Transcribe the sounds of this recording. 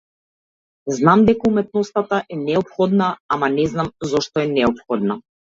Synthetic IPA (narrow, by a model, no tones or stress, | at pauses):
znamd̪ɛkaumɛt̪̚nɔst̪at̪aʔɛnɛɔpxɔd̪naamanɛznamzɔʃt̪ɔɛnɛɔpxɔd̪̚na